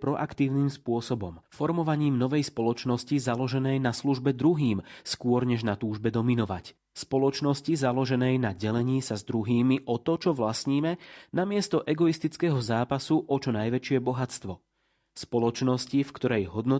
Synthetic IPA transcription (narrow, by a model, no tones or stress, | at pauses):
pɾɔʔakt̪iːʊniːmspʊɔsɔbɔmfɔɾmɔʋaɲiːmnɔʋɛjspɔlɔt͡ʃnɔscizalɔʒɛnɛjnasluʒbɛd̪ɾuɦiːmskʊɔɾɲɛʒnat̪uːʒbɛd̪ɔminɔʋa̰c | spɔlɔt͡ʃnɔscizalɔʒɛnɛjnaɟɛlɛɲiːsazd̪ɾuɦiːmiʔɔt̪ɔt͡ʃɔʋlasɲiːmɛnamɪɛst̪ɔʔɛɡɔist̪it͡skɛːɦɔzaːpasuʔɔt͡ʃɔnajʋɛt͡ʃɪɛbɔɦat͡st̪ʋɔ | spɔlɔt͡ʃnɔscifkt̪ɔɾɛjɦɔd̪nɔ